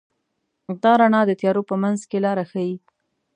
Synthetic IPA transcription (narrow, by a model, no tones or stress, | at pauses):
d̪ɑɾanɑd̪ət̪jɑɾopəmanzkelɑɾaxaji